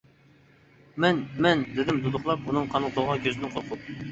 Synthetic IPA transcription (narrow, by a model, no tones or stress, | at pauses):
mɛnmɛnd̪ɪd̪ɪmd̪ud̪ʊχlˠɑp̚unɨŋqʰɑnɨŋqʰolˠʁɑnkʲʰøzɪnɪŋqʰolˠqʰʊp̚